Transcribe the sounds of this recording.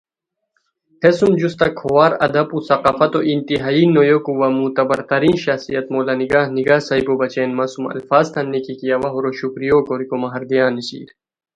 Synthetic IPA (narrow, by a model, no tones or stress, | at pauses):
hesumd͡ʑust̪ɐkʰowaːɾɐ̰d̪ɐpusɐqafɐt̪oʔint̪iɦaːiːnːojokuwɐmut̪ɐbɐɾt̪ɐɾiːnɕɐxsijɐt̪moːlaːniɡaːhniɡaːsɐjkobɐt͡ɕeːnmasumɐ̰lfaːzt̪ʰɐnːikikijawɐɦoɾoɕukɾijoːkoɾikomɐɦɐɾd̪ijaːnːisḭːɾ